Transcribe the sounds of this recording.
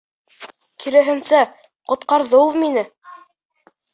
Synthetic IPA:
kʰiɾæɦɘ̆nsæqŏt̪qɑɾðɤulˠminɘ

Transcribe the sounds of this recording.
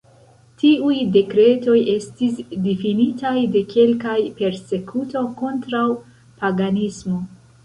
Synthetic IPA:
tiujde̞kɾe̞to̞je̞stisdifinitajde̞kʰe̞lkajpe̞ɾse̞kʰuto̞ko̞ntɾaw | paɡanismo̞

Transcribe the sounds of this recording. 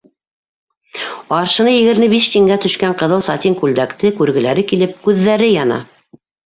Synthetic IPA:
ɑɾʃɤ̆nɤjɘ̆ɡɘ̆ɾmɘbiʃt̪iŋɡæt̪ɵ̆ʃkæɴqɤ̆ðɤlˠsɑt̪iŋkʉld̪ækt̪ɘkʉɾɡɘ̆læɾɘkilɘp̚kʉðːæɾɘjɑnɑ̰

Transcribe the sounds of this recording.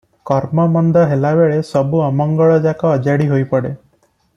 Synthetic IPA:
kɔɾmɔmɔnd̪ɔɦelabeɭesɔbuɔmɔŋɡɔɭɔd͡ʒakɔːd͡ʒaɽiɦojpɔɽe

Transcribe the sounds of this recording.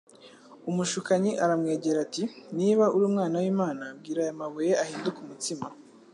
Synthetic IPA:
umuʃukaɲiʔaɾamŋe̞ːɟeɾatiniβauɾuːmŋaːnawiːmaːnab̚ɡiːɾajamaβujeʔahiːndukumutima

